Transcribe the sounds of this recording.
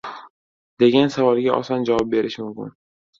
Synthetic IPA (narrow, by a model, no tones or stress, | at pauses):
d̪e̞ɡʲansavɒlɡʲaʔɒ̰sɒnd͡ʒavɒb̚be̞ɾɪʃmʊmkʰʲɪ̰n